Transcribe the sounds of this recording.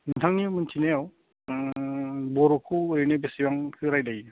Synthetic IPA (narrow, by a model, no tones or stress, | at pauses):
nɯntʰaŋːimɯntʰinew | bɔɾɔkʰuɯɾenebesiwaŋkʰɯɾajdaj